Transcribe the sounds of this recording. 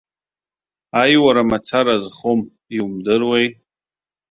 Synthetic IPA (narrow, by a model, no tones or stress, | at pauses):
ajwaɾamat͡sʰaɾazχom | iumdɨrwej